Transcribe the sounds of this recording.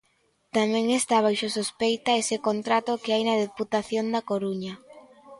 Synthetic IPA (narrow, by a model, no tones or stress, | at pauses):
t̪amɛ̃ŋest̪aβ̞ajʃosospejt̪aesɪkont̪ɾat̪okɪajnɐðeput̪aθjond̪akoɾuɲa